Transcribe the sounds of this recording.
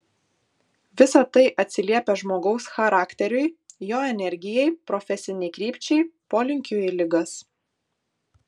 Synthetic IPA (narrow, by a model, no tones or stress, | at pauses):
ʋʲɪsɐt̪ɐɪʔɐt̪ʲsʲɪlʲiɛpʲɛʒmoːɡɒʊsxɐɾɑːkʲt̪ʲɛɾʲʊɪjoːɛnʲɛɾʲɡʲɪjɛɪpɾɔfʲɛsʲɪnʲɛɪkɾʲiːpʲt͡ʃʲɛɪpoːlʲɪŋʲkʲʊɪlʲɪɡɐs